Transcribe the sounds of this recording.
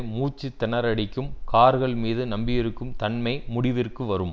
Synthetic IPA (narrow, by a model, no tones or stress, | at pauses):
muːt͡ʃːɯt̪ːɪnɐɾɐɽɪkːɯmkaːɾɣɐɭmiːðɯnɐmbɪjɪɾɯkːɯmt̪ɐnmɐɪmʊɽɪʋɪrkɯʋɐɾɯm